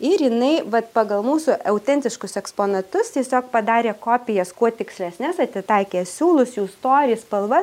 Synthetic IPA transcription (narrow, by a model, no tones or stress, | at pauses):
ɪɾjɪnɐɪʋɐt̪pɑːɡɐlˠmuːsʊʔɐʊt̪ʲɛnʲt̪ʲɪʃkʊsɛkspoːnɐt̪ʊst̪ʲiɛsʲoːk̚pɐd̪ɑːɾʲeːkoːpʲɪjɛskuɔt̪ʲɪksʲlʲɛsʲnʲɛsɐt̪ʲɪt̪ɐɪkʲeːsʲuːlˠʊsjuːst̪oːɾʲɪspɐlˠʋɐ